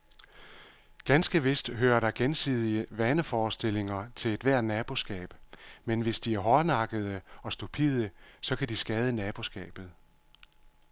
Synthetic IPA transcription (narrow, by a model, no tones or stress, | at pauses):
ɡ̥ænsɡ̥əʋe̝sd̥ɦøːɐɾ̥ɑ̈ɡ̥ensḭð̞ˠiəʋænəfɒːsd̥e̝l̰e̝ŋɐt͡sʰe̝le̝d̥ʋæɐ̰dnæːb̥o̝sɡ̥ɛ̰ːb̥menʋe̝sd̥iæɐɦɒnɑ̈ɡ̥əð̞̩ˠəɒ̽sd̥upʰḭːð̞ˠəsɒ̽kʰæd̥isɡ̥ɛːð̞ˠənɛːb̥o̝sɡ̥ɛ̰ːb̥ð̞̩ˠ